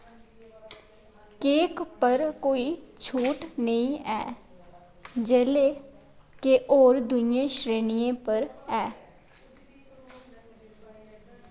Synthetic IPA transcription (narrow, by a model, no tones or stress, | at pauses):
keːkpəɾkoːit͡ʃʰuːʈnəĩɛ̰ː | d͡ʒeːle | keʔoːɾd̪ʊnẽʃɾeːnijẽpəɾɛː